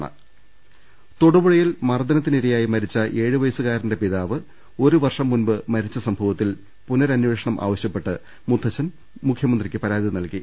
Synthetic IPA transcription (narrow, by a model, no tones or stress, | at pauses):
ɳɐ̰ | t̪oɽubuɻɐjilmɐrd̪ɐnɐt̪ːiniɾijaːjimɐɾit͡ɕːɐʔe̞ːɻɨʋɐjɐsɨɣaːɾinde̞piðaːʋɨ | o̞ɾuʋɐrʂɐmːunbɨmɐɾit͡ɕːɐsɐmbʱɐʋɐt̪ːil | punɐɾɐnuʋeːʂɐɳɐmʔa̰ːʋɐɕjɐpːe̞ʈːɨ | mud̪ʰʱːɐt͡ɕːɐn | mukʰjɐmɐnd̪rikʲːɨpɐɾaːd̪inɐlki